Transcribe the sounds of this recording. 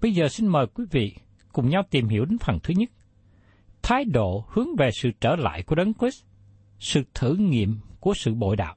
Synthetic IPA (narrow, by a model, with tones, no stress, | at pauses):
ɓə˧jzəː˨˩si˧nməː˨˩jkwi˨˦vḭ˧˨ | kʊ˨˩ŋ͡mɲa˧wt̪i˨˩mhḭ˧˩əwɗe˨˦nfə˨˩nt̪ʰɨ˨˦ɲə˦˥t̚ | t̪ʰaː˨˦jɗo̰˧˨hɨ˨˦əŋve˨˩sɨ̰˧˨t͡ɕəː˧˩la̰ː˧˨jku˧˩əɗə˨˦nkwi˦˥s | sɨ̰˧˨t̪ʰɨ̰˧˩ŋḭ˧˨əmku˧˩əsɨ̰˧˨ɓo̰˧˨jɗa̰ː˧˨w